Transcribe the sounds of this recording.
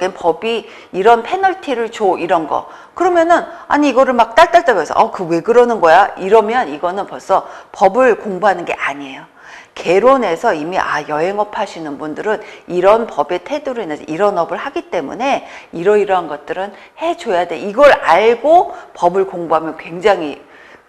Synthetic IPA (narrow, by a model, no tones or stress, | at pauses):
kenpʌbiː | ɾʌnpʰe̞nʌɭtʰiɾɯɭt͡ɕoʔiɾʌnɡʌ̰ | kɯɾʌmjʌnɯna̰ɲiiɡʌɾɯɭmak̚t͈aɭt͈aɭt͈aɡjʌsʰʌ̰ʔʌkɯwe̞ɡɯɾʌnɯnɡʌjaiɾʌmjʌniɡʌnɯnpʌɭs͈ʰʌpʌbɯɭkoŋbuɦanɯnɡe̞̰ʔaɲiejo | ke̞ɾone̞sʰʌimiʔajʌɦe̞ŋʌpʰaɕʰinɯnbundɯɾɯniɾʌnpʌbe̞tʰe̞duɾuinːɯnsḛʔiɾʌnʌbɯɭhaɡit͈e̞mṵne̞iɾʌiɾʌɦanɡʌt̚t͈ɯɾɯn | he̞t͡ɕojade̞iɡʌɾaɭɡopʌbɯɭkoŋbuɦamjʌnkwe̞ŋd͡ʑaŋi